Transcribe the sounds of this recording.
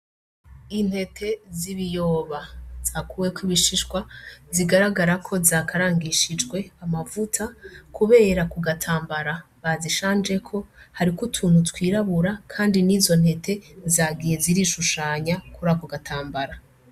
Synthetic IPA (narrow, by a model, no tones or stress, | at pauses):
in̥he̞tʰe̞ziβijoːβaz̥akuːwekwiβiʃiʃɡwaziɡaɾaɡaɾakʰo̞zakaɾaːŋɡiʃid͡ʒɡwe̞amavutʰakuβe̞ːɾakuɡatʰaːmbaɾa | βaziʃaːnd͡ʒe̞kʰo̞haɾikutʰuːn̥hutwiːɾaβuɾakʰaːndiniːzo̞n̥he̞tʰe̞zaɡije̞ziɾiːʃuʃaːɲakuɾakuɡatʰaːmbaɾa